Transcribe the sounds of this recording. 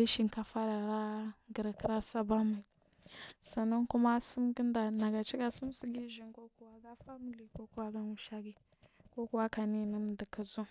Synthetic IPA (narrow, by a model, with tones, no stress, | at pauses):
i˦ʃi˨ŋka˦fa˦ɾa˨ɾa˦ɡə˨ɾkɾa˦sa˦ba˦ma˨ | sa˨no˦nku˦ma˦sə˦mɡə˦nda˨na˨ɡa˨t͡ʃi˦ɡa˨sə˦m˦si˦ɡi˦ʒi˨ŋko˦ku˦wa˦ɡa˦fa˦mi˨li˨ko˦ku˦wa˦ɡa˦nu˨ʃa˦ɡi˨ | ko˦ku˦wa˦ka˨ni˦˨nə˦m˨də˨kə˨zu˦